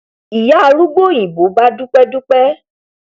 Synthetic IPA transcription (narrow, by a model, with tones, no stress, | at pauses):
i˨ja˦˨lu˦ɡ͡bo˦ɲ̃ĩ˨bo˨˦ba˦du˦k͡pɛ˦du˦k͡pɛ˦